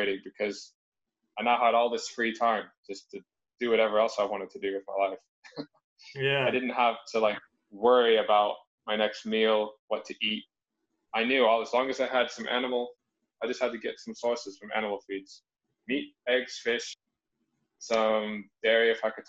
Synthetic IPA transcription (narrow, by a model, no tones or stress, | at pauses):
ɪɾɪ̃ŋbɨkʰʌz̥ | aɪnaʊɦəɾɔlˠðɪsfɹitʰãɪ̃m̥d͡ʒ̥ʌstʰɨ | d̥ɨwʌɾɛvə˞ɛlˠsaɪwɑ̃ɾ̃ɨd̚tʰɨdɨɨðmaɪlaɪf | jæaɪdɪdⁿn̩t̚hæftʰɨlaɪk̚ | wɜ˞iɨbaʊt̚ | maɪnɛkst̚milˠwʌtʰɨʔit̚ | aɪnjʉɔlˠəzlɔ̃ŋɨstaɪɨd̥sʌ̃mʔæ̰nəml̩ˠ | aɪd͡ʒʌst̚hɨd̚tʰɨɡɛtsʌ̃msɔɹsɨz̥fʌ̃mʔæ̰nəml̩ˠfidz̥ | mit̚ɛɡz̥fɪʃ | sʌ̃md̥ɛɹiɨɨfaɪkɨ̥